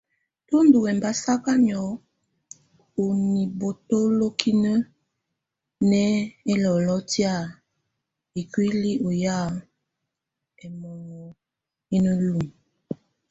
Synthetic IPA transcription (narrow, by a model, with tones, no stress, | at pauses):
to˦ndu˨wɛ˨mba˦sa˦ka˦ɲɔ˨˦ | o˨ni˨bo˨to˦lo˦kʰi˦nə˦ | nɛ˦e˦lɔ˨lɔ˦tja˦˨ | i˨kwi˦li˦ʔo˨ja˦˨ | ɛ˨mɔ˨nɔ˨ | i˦nə˦lu˨m